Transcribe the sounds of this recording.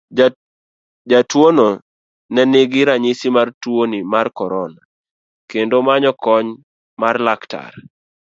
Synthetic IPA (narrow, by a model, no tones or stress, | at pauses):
d͡ʒatwono | nɛnɪɡɪɾaɲɪsimartwonimarkɔɾɔna | kendomaɲɔkɔɲ | marlakta̰r